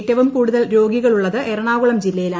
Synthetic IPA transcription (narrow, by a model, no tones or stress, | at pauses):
tːɐʋumkuːɽuðɐlɾo̞ːɡiɣɐɭuɭːɐðɨʔeɾɐɳaːɣuɭɐmd͡ʑilːɐjilaː